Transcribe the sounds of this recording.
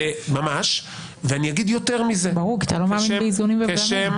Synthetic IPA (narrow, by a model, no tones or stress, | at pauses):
emamaʃ | veaniaɡid̪jot̪eʁmizebaʁuʁkiat̪alo̞maːviizonimveaɡʃem